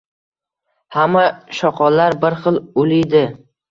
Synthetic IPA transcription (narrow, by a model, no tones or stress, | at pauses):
hamːaʃɒqʰɒlaɾbɪɾχɨlˠʊlɪjd̪ɪ